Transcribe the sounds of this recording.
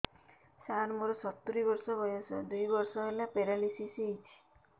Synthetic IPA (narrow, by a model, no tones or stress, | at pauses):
saɾmoɾɔsɔt̪ːuɾibɔɾsɔbɔjɔsɔ̰d̪ujbɔɾsɔɦelapeɾalisisijt͡ʃʰi̥